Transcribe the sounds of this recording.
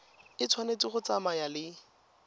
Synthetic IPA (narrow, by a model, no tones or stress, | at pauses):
ɪt͡sʰwanet͡siχʊt͡samajalɪ